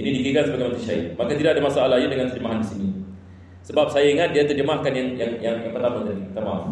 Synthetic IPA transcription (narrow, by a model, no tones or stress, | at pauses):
inidikiɡasəbaɡajmãnt̪ɾiʃa̰ɪ̰t̪̚makat̪idaʔadamasaʔalaɦɲadəŋant̪ərd͡ʒəmaɦandisini | səbap̚sajaiŋat̪̚diat̪ərd͡ʒəmahkanjaŋjaŋjaŋjaŋpət̪amant̪anipət̪ama